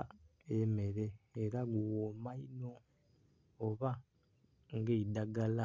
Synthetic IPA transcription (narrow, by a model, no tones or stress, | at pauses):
eme̞ɾe̞ːɾaɡuwomaino̞ː | βa | ŋɡeidaɡala